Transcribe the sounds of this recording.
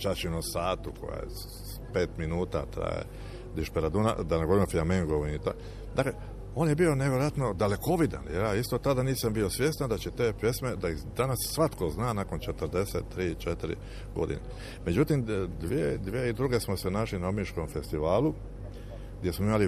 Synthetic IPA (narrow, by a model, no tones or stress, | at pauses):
t͡ʃat͡ʃinosaːt̪ukʰo̰ja̰jḛ | pe̞ːt̪minuːt̪a̰t̪ɾa̰jḛ | d̪iʃpeɾad̪una̰d̪anaɡoɾimofiameŋɡoʋinit̪a | d̪akle | o̞ːnjebio̞neʋjeɾoat̪no̞d̪ale̞ko̞ʋid̪a̰njejaːist̪o̞t̪ad̪aniːsambio̞sʋje̞st̪and̪at͡ɕet̪eːpje̞sme̞d̪aid̪anasːʋat̪koznaːnako̞nt͡ʃe̞t̪əɾd̪e̞set̪ːɾiːt͡ʃet̪iɾḭ | ɡo̞̰d̪ḭne | me̞d͡ʒut̪imd̪ʋied̪ʋjeid̪ɾuɡe̞smo̞senaːʃlinaomiʃko̞mfe̞st̪iʋaːlu | ɡd̪jesmoimali